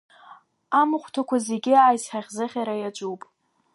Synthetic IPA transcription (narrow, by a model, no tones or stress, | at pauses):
amɨχʷtʰakʷʰaze̞ɡʲɪaːjzħaʁʲzɨχʲaɾajat͡ʃʷʼuwpʼ